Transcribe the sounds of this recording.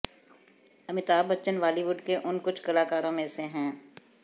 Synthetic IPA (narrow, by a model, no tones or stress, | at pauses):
ɐmɪt̪aːbɐtːʃənʋaːliʋʊɖkeʔʊnkʊt͡ʃʰkɐlaːkaːɾõmẽsẽɦɛ̃ː